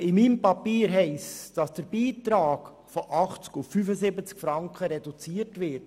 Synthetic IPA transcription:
ɪmiːmpɑpiːɾɦɛɪsd̥ɑsd̥əɾbiːtɾɑːk | fɔʔɑχt͡skʊffyfəzɪbət͡skfɾɑŋkχəɾɛdut͡siːətʋɪɾt

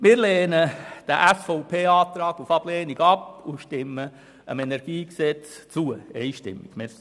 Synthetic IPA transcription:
mɪːɾleːnəd̥əʔæsfoʊpʰeːɑːt̪ɾɑːɡufɑb̥lɛːniɡɑpuʃtɪmə | ə̰mɛnɛɾɡ̥iːksɛt͡st͡suəḛɪjʃtɪ̰mːɪ̰ɡ̥mɪɾ

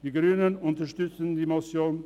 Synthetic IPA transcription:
d̥iːɡɾyːnənʊntəʃtʏt͡səndiːmɔsjoːn

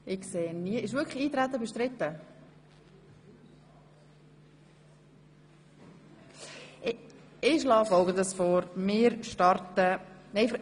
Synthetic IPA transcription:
ʔɪkseːniəɪʃ̬ʋʏɾkχəiːt̪ɾæt̪ːəbɛʃtɾɪt̪ːə | ɪʃlɑːfɔlˠɡənd̪əsfɔːɾmɪːɾʃtɑɾtənɛɪf

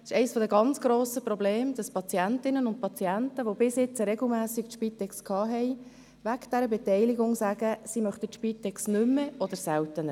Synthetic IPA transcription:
ɪ̥ʃɛɪsfɔdəɡɑnt͡sɡ̥ɾoːsəpɾɔbleːmd̥ɑspʰɑt͡siæntɪnənʊnt̚pʰɑt͡siæntəʋobɪsjɪt͡sɾɛɡl̩mæːsɪktʃpiːt̪ːɛkskʰɑːɦɛɪ | ʋæɡd̥ɛɾəbɛtɛɪlɪɡʊŋsaːɡ̥əsimœχtətʃpiːt̪ɛksnʏmːəʔɔd̥̪əɾsɛltənə

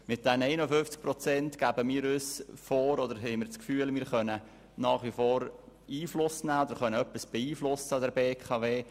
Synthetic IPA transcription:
mɪt̚d̥̪ɛnɛɪnəfʏnft͡sk̚pɾɔt͡sɛntkæːbəmiːɾøsfoːɾɔd̪əɾɦɛɪmɪːɾt͡skfyːəlmɪːɾχœnə | nɑːχʋifoːɾ | iːflʊsnæːɔd̪əɾχœnəœpːisb̥ɛiːflʊsəɑd̪ɛɾbeːkʰɑveː

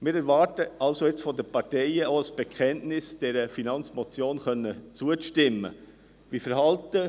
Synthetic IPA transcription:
mɪːɾɛɾvɑːɾtəʔɑlsoɪt͡sfɔdəpɑtɛɪəoəsb̥ɛkʰɛntnɪsd̥ɛɾəfinɑnt͡smɔt͡sjoːnχœnːət͡suəʃtɪmːə̰ | ʋifəɾɦɑltə

